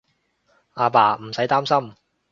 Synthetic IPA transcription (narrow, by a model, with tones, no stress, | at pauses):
aː˧paː˨˩m̩˨˩sɐ˨˥jt̪aː˥msɐ˥m